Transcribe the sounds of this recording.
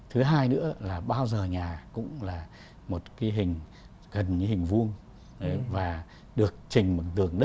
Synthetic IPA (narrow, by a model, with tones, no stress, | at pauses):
t̪ʰɨ˨˦ɦaː˧jnɨ̰˧˥əlaː˨˩ɓaː˧wzəː˨˩ɲaː˨˩kʊ̰˧˥ŋ͡mlaː˨˩ | mo˨˩t̚kaː˨˦jɦï˨˩ŋ̟ | ɣə˨˩nɲɨ̰˧˦hï˨˩ŋ̟vu˧əŋ˨ | vaː˨˩ | ɗɨ˨˩ək̚t͡ɕï˨˩ŋ̟mo˨˩t̪ɨ˨˩əŋɗə˦˥t̚